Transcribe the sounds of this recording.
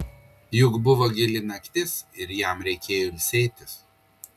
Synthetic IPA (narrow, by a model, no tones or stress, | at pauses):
jʊkbʊʋoɡʲɪlʲɪnɐkʲt̪ʲɪsɪɾjæˑmɾʲɛɪkʲeːjoɪlʲsʲɛɪt̪ʲɪs